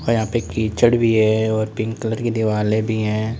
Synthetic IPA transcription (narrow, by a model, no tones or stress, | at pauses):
ɔːɾjɐɦãːpekiːt͡ʃəɽbʱiɦɛɔːɾpɪ̃ŋɡkələɾked̪ɪʋaːlẽbʱiɦɛ̃ː